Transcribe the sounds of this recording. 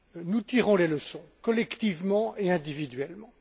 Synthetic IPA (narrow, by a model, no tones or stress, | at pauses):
nut̪iʁɔ̃leləsɔ̃kɔlɛkt̪ivmɑ̃ʔeɛ̃d̪ivid̪ɥɛlmɑ̃